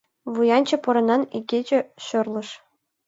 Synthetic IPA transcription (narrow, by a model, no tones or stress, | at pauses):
ʋujɑnʲt͡ɕɤ̆pɤɾɤ̆nɑniɡʲed͡ʑɘ̆ɕø̆rlʲˠɤ̆ʂ